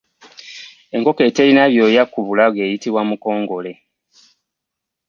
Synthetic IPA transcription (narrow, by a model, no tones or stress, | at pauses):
e̞ŋko̞ke̞te̞ːlinaβjo̞jakːuβulaβwe̞ːjitiβwamuko̞ːŋɡo̞le̞